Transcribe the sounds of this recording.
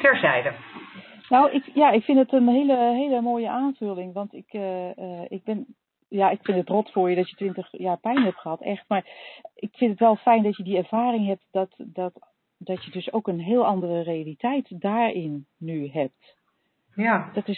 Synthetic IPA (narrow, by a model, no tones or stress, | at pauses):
tɛɹzɛjdə | nɔwʔɪkjaɪkfɪndətənɦeːləɦeːləmoːjəʔaːnv̥ølˠɪŋʋɑntɪk | ɪk̚bɪn | jaɪkfɪndətrɔtfʊːɹjədɔtjətʋɪntəxjaːɹpɛjnəɦɛptχəɦɑtʰɛxtmaɹʔɪkfɪntətʋɛlˠfɛjndɔtjədiɛɹv̥aːrɪŋɦɛp̚tdɔtdɔt | d̥ɔtjədøsowkənɦɪːlˠɑndərərealitʰɛjtdaːɹɪnːyɦɛp̚t | dɔtɪs